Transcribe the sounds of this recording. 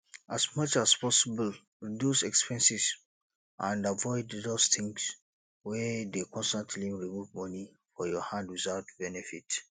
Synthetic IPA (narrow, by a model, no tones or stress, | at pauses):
asmʌt͡ʃaspʰɔsibəl | ɹidjusɛkspʰɛ̃nsis | ãndavɔɪddostʰĩŋɡs | wɛdekɔ̃nstãntʰliɹimuvmʌni | fɔjɔhãndwizaʊtbɛnɛfit